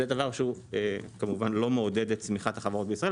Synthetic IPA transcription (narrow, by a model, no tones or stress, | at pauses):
ed̪avaʁʃeuekamuvanlo̞meode̞detsmiχat̪haχavaʁo̞t̚beisʁae